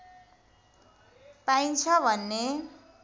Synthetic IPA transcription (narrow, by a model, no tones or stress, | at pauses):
paint͡sʰʌbʱʌnːe